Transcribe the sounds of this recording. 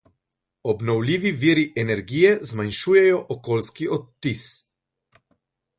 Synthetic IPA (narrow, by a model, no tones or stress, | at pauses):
ɔbnɔwlʲiːʋiʋiːɾiʔɛnɛɾɡijɛzmanʃuːjɛjɔʔɔkoːlskiʔɔt̪ːis